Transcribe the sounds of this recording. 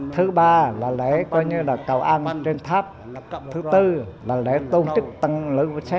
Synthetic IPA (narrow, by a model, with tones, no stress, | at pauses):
t̪ʰɨ˨˦ɓaː˧laː˨˩le˨˦kɔ˧jɲɨ˧laː˨˩kə˨˩wʔa˧ŋt͡ɕe˧nt̪ʰaː˦˥p̚ | t̪ʰɨ˨˦t̪ɨ˧laː˨˩le˨˦t̪o˧nt͡ɕɨ˦˥k̚t̪ə˧ŋlɨ˨˦vsa˦˥